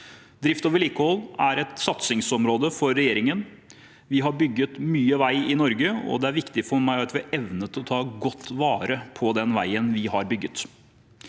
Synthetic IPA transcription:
d̪ɾɪft̪oːʋəɭiːkəhɔlːæɾɛt̪sɑt̪sɪŋsɔmɾoːd̪əfɔɾːɛjeːɾɪŋən | ʋɪɦɑɾbʏɡːət̪myːəʋæɪɪnɔɾɡəɔ̰d̪ɛæɾʋɪkt̪ɪfɔmæɪɑt̪ʋɪæɾʔɛʋnət̪ʰɪlɔt̪ʰɑːɡɔt̪ːʋɑːɾəpʰɔd̪ɛnʋæ̰ɪənʋɪhɑɾbʏɡːət̪

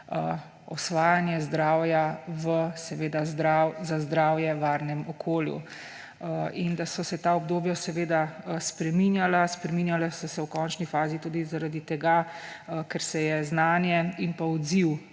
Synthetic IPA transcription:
ɔsʋaːjanjɛzd̪ɾaːwjaʋəsɛʋeːd̪azd̪ɾawzazd̪ɾaːwjɛʋaːɾnɛmɔkʰoːljṵ | ind̪asɔsɛt̪aɔbd̪oːbjasɛʋeːd̪aspɾɛminjalaspɾɛminjalasɔsɛwkɔːnt͡ʃnifaːzit̪ud̪izaɾad̪it̪ɛɡakɛɾsɛjɛznaːnjɛinpaud̪ziw

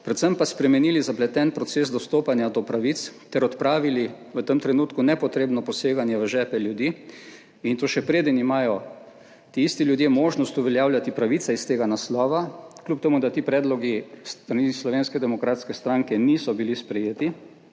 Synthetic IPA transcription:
pɾɛt̪səmpaspɾɛmɛniːlizaplɛt̪ɛːnpɾɔt̪seːs̬d̪ɔst̪oːpanjad̪ɔpɾaʋit̪st̪ɛɾɔt̪pɾaːʋili | ʋət̪əmt̪ɾɛnuːt̪kunɛpɔt̪ɾeːbnɔpɔseːɡanjɛʋəʒɛːpɛljud̪iː | int̪oːʃɛpɾeːd̪ənimaːjɔ | t̪iist̪iljud̪jemoːʒnɔst̪uʋɛljaːwlʲjat̪ipɾaʋit̪saist̪eːɡanaslɔːʋaklʲjup̚t̪ɛmud̪at̪iːpɾɛːd̪lɔɡist̪ɾanislɔʋeːnskɛd̪ɛmɔkɾaːt̪skɛst̪ɾaŋkɛniːsɔbilispɾɛjeːt̪i

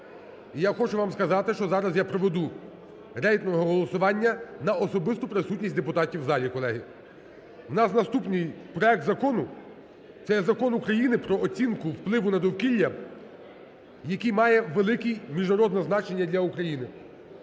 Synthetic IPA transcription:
ijaxɔt͡ʃʊʋɑmskɐzɑt̪ɪʃt͡ʃɔzɑɾɐzjapɾɔʋed̪u | ɾɛjt̪nɔɦɔɦɔlˠɔsʊʋɑnʲːɐnɐɔsɔbɪst̪ʊpɾɪsutʲnʲisʲd̪epʊt̪ɑtʲiwzɑlʲikɔlˠɛɦɪ | wnɑsnɐst̪upnɪjpɾɔɛk̚t̪zɐkɔnʊ | t̪sɛzɐkɔnʊkɾɐjinɪpɾɔɔt͡sʲinkʊwplˠɪʋʊnɐd̪ɔwkilʲːɐ | jɐkijmɑjɛʋelˠɪkimʲiʒnɐɾɔd̪nɛznɑt͡ʃe̞nʲːɐd̪ʲlʲɐukɾɐjinɪ

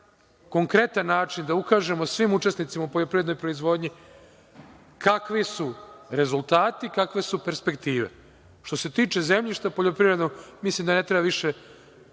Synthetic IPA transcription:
ko̞ŋkɾe̞t̪anːaːt͡ʃind̪aukaːʒe̞mo̞sʋimut͡ʃe̞snit̪imaupo̞ʎo̞pɾivɾed̪nojpɾo̞izʋo̞ːd̪ɲi | kʰakʋisuɾe̞zulˠt̪aːt̪ikakʋe̞supe̞ɾspe̞kt̪iːʋḛ | ʃt̪o̞se̞t̪iːt͡ʃe̞ze̞mʎiʃt̪apo̞ʎo̞pɾiʋɾed̪noɡmislimd̪ane̞t̪ɾebaʋiʃe̞

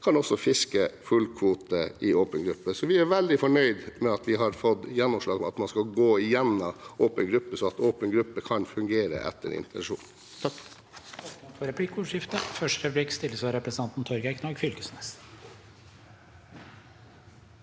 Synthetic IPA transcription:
kʰɑnɔsːɔfɪskəfʉlkʰʋuːt̪əʔɪoːpənɡɾʉpːəsɔʋɪæɾʋɛld̪ɪfɔɳœʏd̪mɛɑt̪ʋɪɦɑɾfɔd̪jɛnːɔmʂɭɑːɡɔmɑ̰t̪mɑnskɑlɡoːɪjɛnːɑʔoːpənɡɾʉpːəsɔɑt̪oːpənɡɾʉpːəkʰɑnfʉŋɡeːɾə̰ʔɛ̰t̪ʰːə̰ɾɪ̰nt̪ʰɛnʂṵːn | fɔɾɛpʰlɪkʊːʂjɪft̪əfœʂʈɾɛpblikst̪ɪlːəsʋɑːɾəpɾəsənɑnt̪n̩t̪ʰɔɾɡæɪkʰnɑɾɡfʏlkəsnɛs

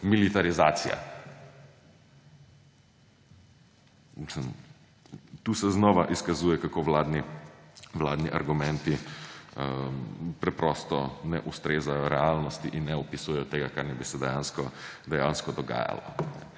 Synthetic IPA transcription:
milit̪aɾizaːt̪sija̰ | misləm | t̪uːsɛznɔːʋaʔiskazuːjɛkakoːʋlaːd̪ni | ʋlaːd̪niʔaɾɡumɛ̃nt̪i | pɾɛpɾɔst̪ɔnɛ̰ʔust̪ɾeːzajɔɾɛaːlnɔst̪iʔinːɛɔpisuːjɛjɔt̪eːɡakaɾnɛbisɛd̪ɛjaːnskɔd̪ɛjanskɔd̪ɔɡa̰ːja̰lɔ̰nɛ

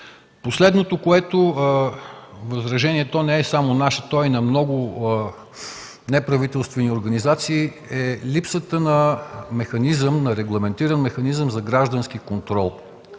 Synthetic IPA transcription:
poslɛd̪not̪okoɛt̪o | vɐzɾɐʒɛniɛt̪ɔnɛɛsamonaʃət̪ɔinɐmnɔɡʊ | nɛpɾɐvit̪ɛlˠst̪vɛnioɾɡɐnizat̪siː | ɛlipsət̪ənɐmɛxɐnizəmnɐɾɛɡlˠɐmɛnt̪iɾənmɛxɐnizəmzɐɡɾaʒd̪ənskikont̪ɾɔlˠ

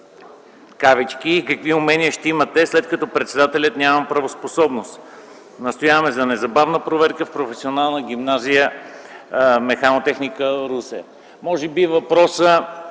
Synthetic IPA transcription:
kavit͡ʃkiːkɐkviʊmɛniəʃt̪ɛimət̪ɛslɛt̪̚kɐt̪ɔpɾɛt̪sɛd̪at̪ɛlʲət̪nʲjamɐpɾɐvosposɔbnost̪ | nɐst̪ojavɐmɛzɐnɛzɐbavnəpɾovɛɾkəfpɾofɛsionalˠnəɡ̟imnazijə | mɛxanot̪ɛxnikəɾusɛ | mɔʒɛbivɐpɾɔsə

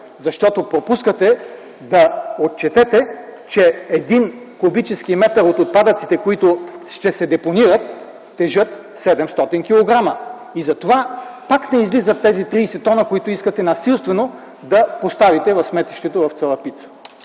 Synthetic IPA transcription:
zɐʃt̪ɔt̪opɾopuskət̪ɛ | d̪ɐot̪t͡ʃɛt̪ɛt̪ɛt͡ʃɛɛd̪in | kobit͡ʃɛskimɛt̪ɐɾot̪ot̪̚pad̪ət̪si̥t̪ɛkoit̪oʃt̪ɛsɛd̪ɛponiɾət̪̚ː | ɛʒɤt̪ | sɛd̪ɛmst̪ɔt̪ink̟ilˠoɡɾamɐ | izɐt̪ovapaknɛizlizət̪ːɛzit̪ɾiːsɛt̪ɔnəkoit̪oiskət̪ɛnɐsilˠst̪vɛno | d̪ɐpost̪avit̪ɛvɐfsmɛt̪iʃt̪ɛt̪ovɐft̪sɛlˠəpit̪sə̥

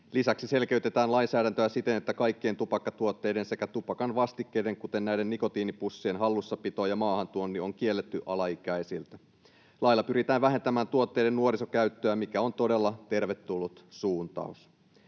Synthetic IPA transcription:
lisæksise̞lke̞yt̪e̞t̪æːnlɑinsæːdænt̪øæsit̪e̞net̪ːækɑjkːie̞nt̪upɑkːɑt̪uot̪ːe̞jde̞nse̞kæt̪upɑkɑnʋɑst̪ikːe̞jde̞ŋkut̪e̞nːæjdenniko̞t̪iːnipusːienɦɑlːusːɑpit̪oːjɑmɑːhɑnt̪uonːio̞ŋk̟ie̞lːet̪ːyʔɑlɑikæjsilt̪æ | lɑjlːɑpyɾit̪æːʋʋæɦet̪æmæːnt̪uot̪ːe̞jde̞nnuoɾiso̞kæyt̪ːøæmikæo̞nt̪o̞de̞lːɑt̪e̞rʋet̪ːulːut̪suːnt̪ɑ̰us

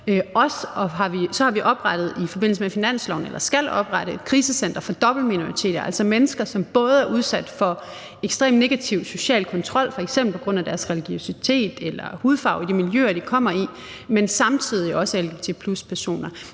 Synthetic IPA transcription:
øɒ̽sɒ̽ɦɑ̈ʋisɒ̽hɑ̈ʋiʔɒ̽b̥ʁɑd̥ð̞̩ˠifɒ̽be̝n̰l̩səmefinæn̰slɒʊnelʔɐsɡ̥ælɒ̽b̥ʁaɾəe̥kʰʁiːsəsen̰d̥ɐfɒ̽d̥ɒ̽b̥l̩mino̝ʁit͡sʰe̝̰ːdɐʔæl̰sɒ̽menəsɡ̥ɐsɒ̽mb̥ɔ̽ːð̞ˠæɐʔuð̞ˠsæd̥fɒ̽ | eɡ̥sd̥ʁḛːmne̝ɡ̥æt͡sʰiʊso̝ɕɛ̰ːlkʰɒ̽nt͡sʰʁɒ̽l̰fɒ̽e̝ɡ̥semb̥l̩pʰɒ̽ɡ̥ʁɔ̽n̰æd̥æɐsʁɛliɡ̥o̝sit͡sʰe̝̰ːd̥elɐhuːð̞ˠfɑ̈ʊid̥imiljø̰ːɐd̥ikʰɒ̽m̰ɐi | mensɑ̈mt͡sʰiðˠiʔɒ̽səelɡ̥et͡sʰe̝pʰluspʰæɐso̝̰ːnɐ

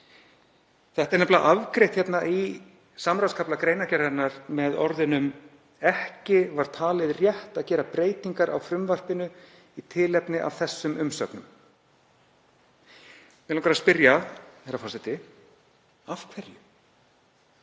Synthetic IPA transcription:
θɛht̪ɛɾnɛplaʔavkɾejht̪çɛt̪naʔi | samɾawskʰaplakɾejnacɛɾaɾnaɾmɛðɔɾðɪnʏm | ɛhcɪvaɾ̥t̪ʰaːlɪðrjɛht̪aðcɛːɾapɾeːjt̪iŋkaɾa̰wfɾʏmvar̥pɪnʏ | it̪ʰɪlɛpnɪʔa̰vθɛsːʏmʏmsœ̰knʏ̰m | vɛlaŋkʰvaɾaspɪɾjaɛɾafɔsɪt̪ɪ | afkʰvɛɾjʏ

